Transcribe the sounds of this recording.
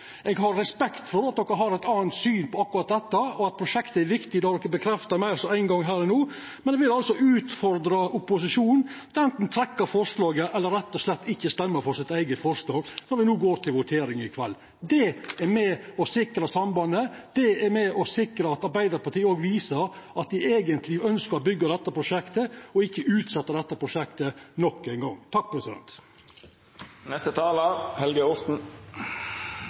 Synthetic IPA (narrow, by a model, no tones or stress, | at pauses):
ʔɛɡɦɑɾɾɛspɛkt̪fɔɾɑt̪̚d̪ɔkːəɦɑɾɛɪt̪ɑːnt̪syːnpʰɔɑkːʊɾɑt̪̚d̪ɛt̪ːəɔɑt̪̚pʰɾʊʂɛkt̪əɛɾʋɪkt̪ɪd̪ɛɑɾd̪ɔkːəbəkʰɾɛft̪ɑmæɪsɔæɪnɡɑŋɦæːɾɛnuː | mɛnɛʋɪlɑlsɔʔʉːt̪fɔɾd̪ɾɑʔʊpːʊsɪʂuːnd̪ɛnt̪n̩t̪ʰɾɛkːəɾfɔɾʂlɑːɡəʔɛlːəɾɛt̪ːɔslɛt̪ːɪçːəst̪ɛmːəɾfɔɾsɪt̪æɪɡəfɔɾʂlɑːɡnɔɾʋɪnuːɡoːɾt̪ʰɪlʋʊt̪ʰeːɾɪŋɪkʰʋɛ̰lː | d̪ɛɛɾmɛɔsɪkɾəsɑmbɑnːəd̪̥ɛɛɾmɛɔsɪkɾəɑt̪ɑɾbæɪd̪əɾpɑʈ̪iːəoːɡʋiːsəɾ | ɑt̪̚d̪ɪʔeːɡənt̪ʰlɪœnskəɾɔbʏɡːɑd̪ɛt̪ːəpʰɾʊʂɛkt̪əɔɪçːəʉːt̪sɛt̪ːəd̪ɛt̪ːəpʰɾʊʃɛkt̪ənɔkːæɪnɡɔŋːt̪ʰɑk̚pʰɾɛsɪd̪ɛ̰nt̪ | nɛst̪ət̪ʰɑːləɾhɛlɡəɔst̪n̩